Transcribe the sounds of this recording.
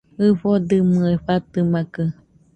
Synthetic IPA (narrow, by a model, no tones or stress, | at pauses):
ɨɸod̪ɨmɨeɸat̪ɨmakɨ